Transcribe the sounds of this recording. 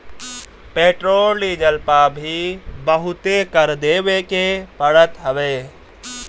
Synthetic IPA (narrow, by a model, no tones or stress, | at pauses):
peʈɾolid͡ʒəlpabʱibəɦʊt̪ekəɾd̪ebekepəɽət̪ɦəʋe